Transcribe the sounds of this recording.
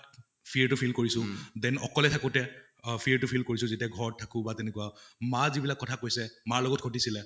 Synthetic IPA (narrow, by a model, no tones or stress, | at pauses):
pʰiɹtupʰilkoɹisʊ̃dɛnɔkɔlɛtʰakʊtɛ | pʰiɹtupʰilkoɹisʊ̃zetiaɡʱɔɹɔtʰːakʊ̃batɛnekʊamazibilakːɔtʰakojsɛmaɹlɔɡɔtkʰotisilɛ